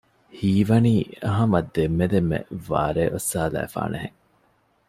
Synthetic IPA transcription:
hiːʋɐniːɐɦɐmɐd̪emːed̪emːḛʋa̰ːɾeːʔosːaːlæ̰ːfa̰ːneɦeŋ

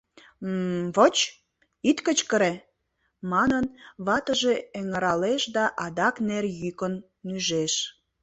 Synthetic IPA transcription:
βot͡ɕ | it̪kət͡ɕkəɾe | mɑnənβɑt̪əʒeeŋəɾɑleʃd̪ɑʔɑd̪ɑknerjykənːyʒeʃ

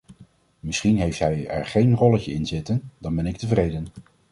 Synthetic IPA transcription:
mɪsχinɦejftɦɛjɛ̰ɹχejnrɔləcəɪnzɪtəndɑnbɛnɪk̚təvrejdən

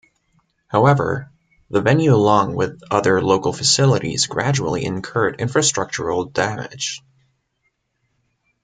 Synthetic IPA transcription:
haʊɛvə̰˞ | ðəvɛ̃njʉəlɔ̃ŋwɪðʌðə˞loʊkl̩ˠfɨsɪlˠəɾḭzɡɹæ̰d͡ʒul̩ˠḭɨ̰̃nkʰɜ˞ɾɪ̰̃ɱfɹɨstɹ̥ʌk̚t͡ʃə˞l̩ˠdæmɪ̰d̥ʒ̥

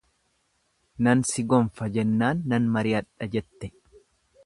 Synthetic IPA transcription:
nɐnsɪɡɔɱfɐd͡ʒɛnːaːnːɐnmɐɾɪɐᶑɐd͡ʒɛt̪ːɛ

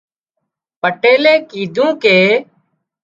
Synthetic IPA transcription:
pəʈeːleːkiːd̪ʱũːkeː

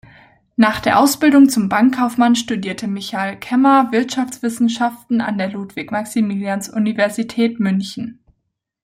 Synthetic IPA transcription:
naːχd̥eːɐʔaʊsb̥ɪldʊŋt͡sʊmbaŋkʰːaʊfmanʃtudiːɐtʰəmɪçalkʰɛmɐvɪɐtʃaft͡sv̥ɪsn̩ʃaftn̩a̰ndeːɐluːtv̥ɪkmaksimiljansʔunivɛɐzitʰɛːtmʏnçn̩

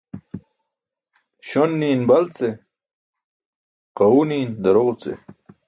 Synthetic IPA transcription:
ɕonːiːnbɐlt͡se | qɐwuniːnd̪ɐɾoʁut͡sḛ

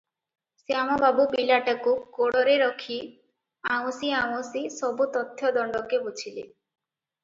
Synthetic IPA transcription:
seamɔbabupilaʈakukoɽɔɾeɾɔkʰi | aww̃siaw̃osisɔbut̪ɔt̪ʰːjɔd̪ɔɳɖɔkebut͡ʃʰilḛ

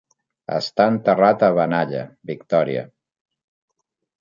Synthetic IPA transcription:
ə̰st̪aənt̪ərat̪əβənaʎə̰βikt̪ɔɾiə̰

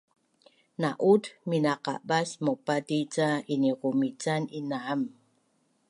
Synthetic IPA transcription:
naʔudminaqa̰basmopatit͡sainikumit͡saninam

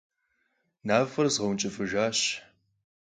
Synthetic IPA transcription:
naːfɐrzʁɐwnt͡ʃʼɪfɨʒaːɕ

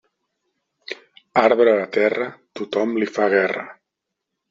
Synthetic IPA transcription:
aɾβɾəːlat̪ɛrət̪ut̪ɔmlifaɣɛrə

